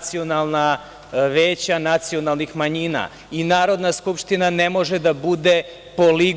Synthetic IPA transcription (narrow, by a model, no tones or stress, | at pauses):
t̪sio̞nalˠna | ʋeːt͡ɕanat̪sio̞nalˠnixmaɲina̰ | inaːɾo̞d̪naskupʂt̪inanemo̞ʒed̪abud̪e̞ | po̞li